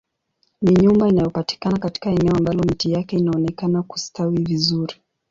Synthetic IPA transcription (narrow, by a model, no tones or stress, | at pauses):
niɲumbainajɔpati̥kanakati̥kaɛnɛɔambalɔmitijakɛinaɔnɛkanaku̥stawivizuɾi